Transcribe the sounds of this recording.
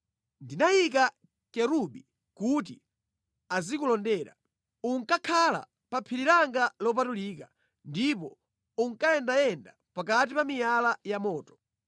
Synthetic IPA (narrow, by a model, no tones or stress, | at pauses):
ndinajika | kɛɾuɓi | kuti | azikulɔndɛːɾa̰ | uŋkakʰala̰ | papʰiɾiɾaŋɡalɔp̬atuliːka | ndipɔ | uŋkajɛndajɛnda | pakat̬ipamijalajamɔːtɔ̥